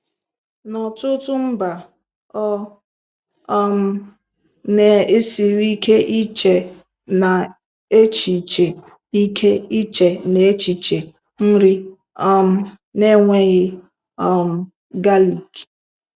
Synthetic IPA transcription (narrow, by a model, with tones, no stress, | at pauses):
nɔ˨tʊ˦tʊ˦m̩˦ba˨ | ɔ˦ | m̩˨˦ | ne˨e˦si˨ɾi˦kʰe˦ʔi˦t͡ʃe˨ | na˨ | e˦t͡ʃi˨t͡ʃe˨ | i˦kʰe˦i˦t͡ʃe˨ne˨e˦t͡ʃi˨t͡ʃe˨ | n̩˦ɾi˦ | ɔ˦m̩˦ | ne˦ŋʷe˦ɣɪ˦ | ɔ˨m̩˨ | ɡa˦li˨k